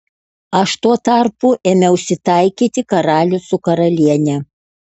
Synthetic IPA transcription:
ɐʃt̪uɔt̪ɐɾpuʔeːmʲɛʊʃʲsʲɪt̪ɐˑɪkʲiːt̪ʲɪkɐɾɑːlʲʊsʊkɐɾɐlʲiɛnʲɛ

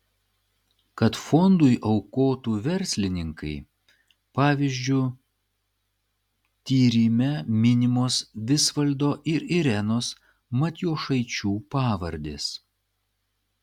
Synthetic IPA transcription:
kɐt̪fɔnd̪ʊɪʔɐʊkoːt̪uːʋʲɛɾʲsʲlʲɪnʲɪŋkɐɪ | pɑːʋʲiːzʲd͡ʒʲʊ | t̪ʲiːɾʲiːmʲɛmʲɪnʲɪmoːsʋʲɪsʋɐlʲd̪oːʔɪɾɪɾʲɛnoːs | mɐt̪ʲjoːʃɐɪt͡ʃʲuːpɑːʋɐɾʲd̪ʲeːs

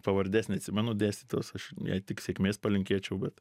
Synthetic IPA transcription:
pɐʋɐɾʲd̪ʲæːsʲnʲɪɐt̪ʲsʲɪmʲɛnʊd̪ʲæːsʲt̪ʲit̪ʲoːsɐʃjɛ̰ɪtʲɪksʲekmʲeːspɐlʲɪŋʲkʲeːt͡ʃʲɛʊbʲɛt̪

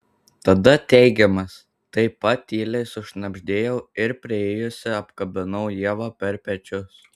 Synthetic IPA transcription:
t̪ɐd̪ɐt̪ʲɛɪɡʲɛmɐs | t̪ɐɪpɐt̪ʲːiːlʲɛɪsʊʃnɐbʲʒʲd̪ʲeːjɛʊɪɾpʲɾʲɪeːjʊsʲɪɐpkɐbʲɪnɐʊjiɛʋɑːpʲɛɾpʲɛt͡ʃʲʊs

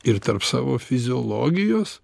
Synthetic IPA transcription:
ɪɾt̪ɐɾpsɑːʋoːfʲɪzʲɪoːlˠoːɡʲɪjoːs

